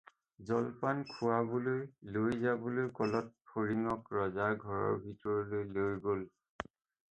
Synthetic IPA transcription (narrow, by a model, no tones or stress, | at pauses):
zɔlpankʰʊabolojlojzabolojkɔlɔt̚pʰoɹiŋɔkɹɔzaɡʱɔɹɔ̰ɹbʱitɔɹɔlojlojɡol